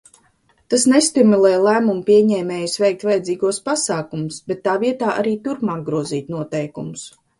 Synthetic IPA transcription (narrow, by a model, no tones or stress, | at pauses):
t̪asnest̪imulˠɛːjlˠæːmumpiɛɲɛːmʲɛːjusvɛjk̚t̪vajɛd̪ziːɡuɔspasaːkumusbɛt̪ːaːviɛt̪aːʔa̰ɾiːt̪uɾpmaːɡ̚ɡɾuɔziːt̪nuɔt̪ɛjkumʊs